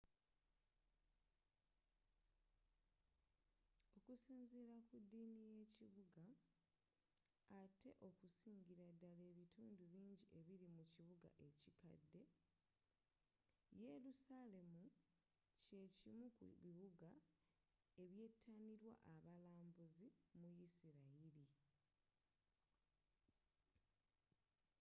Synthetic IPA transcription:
o̞kusiːnziːɾakudːiːnije̞ciβuɡa | te̞ʔo̞kusiːɲɟiɾadːale̞ːβituːnduβiːɲɟiʔe̞βiɾimuciβuɡa̰ʔe̞cika̰dːe̞ | je̞ɾusale̞mu | ce̞cimukṵβiβuɡa | e̞βje̞ːtʰːaniɾwa̰ʔaβalaːmbuzimujisiɾaiɾi

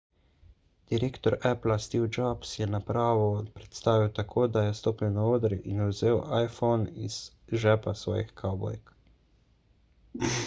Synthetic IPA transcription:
d̪̥iɾeːkt̪ɔɾɛplast̪iwd͡ʒapsjɛnapɾaːʋɔpɾɛt̪st̪aːʋiwt̪akʰoːd̪ajɛst̪oːpiwnaoːd̪ɾiʔinuwzeːwajfɔnḭz̥ | ʒɛpasʋɔ̰ːjixkʰabɔ̰jk

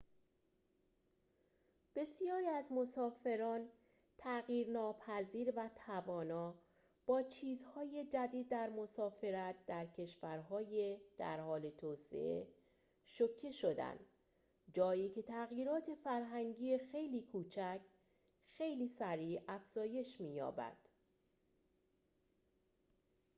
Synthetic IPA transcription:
b̥e̞sjɒːɾiːæzmo̞sɒːfe̞ɾɒːn | t̪ʰæɣjiːɾnɒːpʰæziːɾvæt̪ʰævɒːnɒː | b̥ɒːt͡ʃʰiːzhɒːje̞d͡ʒæd̪iːd̪̚ːæɾmo̞sɒːfe̞ɾæt̪̚d̪̥æɾcʰe̞ʃvæɾɦɒːjed̪̥æ̰ɾhɒːle̞t̪ʰɒːsḛʔe | ʃocʰːe̞ʃo̞d̪æ̰nd̪ | d͡ʒɒːiːcʰe̞t̪ʰæɣjiːɾɒːt̪ʰe̞fæɾɦæŋɟiːexe̞jliːkʰuːt͡ʃʰæcʰ | xe̞jliːsæɾiːæfz̥ɒːje̞ʃmiːjɒ̰ːbæ̰d̪̥

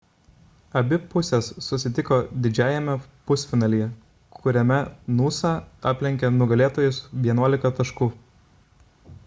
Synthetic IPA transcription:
ɐbʲɪpʊsʲɛsːʊsʲɪt̪ʲɪkoːd̪ʲɪd͡ʒʲæːjɛmʲɛpʊsʲfʲɪnɑːlʲɪjɛ | kʰʊɾʲɛmʲɛnuːsɑɑːpʲlʲɛŋʲkʲɛnʊɡɐlʲeːt̪oːjʊsʋʲiɛnuɔlʲɪkɐt̪ɐʃkuː

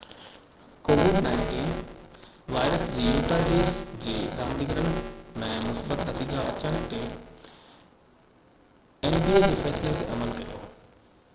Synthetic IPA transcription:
koːʋɪɖnaːɪɳʈiːn | ʋaːɪɾəsd͡ʑiːjuːʈ̪aːd͡ʑiːzd͡ʑeːɾãːmd̪iɡəɾəɽmẽmʊsbət̪nɐt̪iːd͡ʑaʔɐ̰t͡ɕəɽ̃ɪt̪e | eːnbiːed͡ʑeːfɛːslet̪ḛʔɐməlkɐjo̰ː

